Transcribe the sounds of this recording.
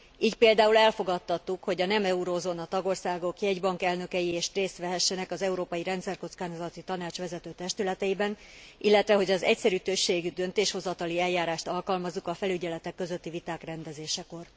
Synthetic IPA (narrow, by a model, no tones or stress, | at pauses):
iːcpeːld̪aːulɛlfo̞ɡɒt̪ːɒt̪ːukho̞ɟɒnɛmɛuɾozonɒt̪ɒɡo̞rsaːɡo̞kjɛɟbɒŋkɛlnø̞kɛjieːʃreːst̪ʋɛɦɛʃːɛnɛkɒzɛuɾoːpɒjiɾɛnt̪sɛrko̞t̪skaːnozɒt̪it̪ɒnaːt͡ʃʋɛzɛt̪øːt̪ɛʃt̪ylɛt̪ɛjibɛn | ilːɛt̪ʋɛɦo̞ɟɒzɛ̰csɛɾyːt̪ø̞ʃːeːɡyd̪ø̞nt̪eːʃho̞zɒt̪ɒliɛljaːɾaːʃt̪ɒlkɒlmɒzːukɒfɛlyɟɛlɛt̪ɛkːøzø̞t̪ːivit̪aːkrɛnd̪ɛzeːʃɛko̞r